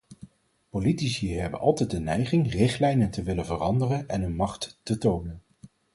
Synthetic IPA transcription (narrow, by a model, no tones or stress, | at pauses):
politisiəɦɛbə̰nʔɑ̰lˠtɛj̚dənɛjχɪŋrɪχtlɛjnəntəʋɪlənvərɑndərənɛnənmɑχtːətownən